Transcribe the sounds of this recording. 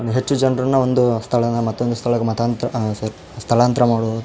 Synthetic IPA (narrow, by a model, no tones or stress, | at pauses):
ɦet͡ʃːud͡ʒɐnɾɐnːɐond̪ust̪ʰɐɭɐnɐmɐt̪ːond̪ust̪ʰɐɭɐkːemɐt̪ʰaːnt̪ɾɐsɐɾ | st̪ʰɐɭaːnt̪ɾɐmaːɽu